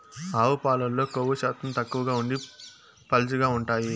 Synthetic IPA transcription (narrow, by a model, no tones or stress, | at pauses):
aːʋupaːlɐlːo̞ːkoʋɐʃaːt̪ɐmt̪ɐkːuʋɐɡaːuɳɖi | pɐlt͡ʃuɡaːuɳʈaːji